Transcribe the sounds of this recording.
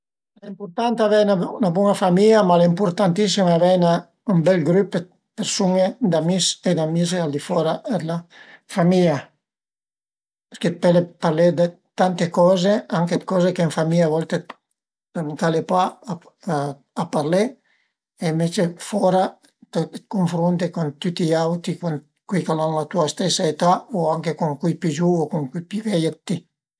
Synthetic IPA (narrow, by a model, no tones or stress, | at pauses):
laimpuɾt̪ant̪avɛjnanabwɔŋafamiamalaimpuɾt̪ant̪isimavɛjna | ymbɛlɡɾype | peɾsuŋed̪amised̪amizeald̪ifɔɾaɛlafamia | peɾkepɛlepaɾled̪e | t̪ant̪ekɔzeaŋkekɔːzekeiɱfamiʎavɔlt̪e | t̪emunt̪alepwa | apːarle | eimvet͡ʃefɔɾa | t̪ekoɱfɾunt̪ekont̪ut̪ːiawt̪ɾikon | kwijkalanlat̪uast̪ɛsːaet̪aoaŋkekoŋkujpid͡ʒuokoŋkupivɛjat̪ːi